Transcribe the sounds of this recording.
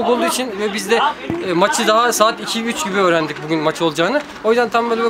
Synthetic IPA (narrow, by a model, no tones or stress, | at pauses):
kulˠd̪uːit͡ʃʰinvɛbizd̪ɛːmat͡ʃʰɯd̪aɦasaːt̪icʰiyt͡ʃɟibiø̞ːɾænd̪icbuɟʲynmat͡ʃʰɯo̞lˠd͡ʒaːnɯ | ojzd̪ant̪ʰambø̞ːlʲ